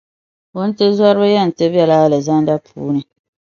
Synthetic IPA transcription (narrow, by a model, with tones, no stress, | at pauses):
ʊ˦n̩˦tɨ˦zwa˦ɾɨ˦ba˦jɛ˦n̩˨tɨ˦bɛ˦laː˦lɨ˨za˦n˦da˦pʰṵː˦nɨ˨